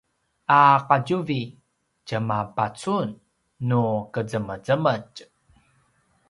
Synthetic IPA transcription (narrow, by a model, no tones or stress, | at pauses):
aqaɟuvi | cəmapat͡sunː | ukəd͡zəməd͡zəməc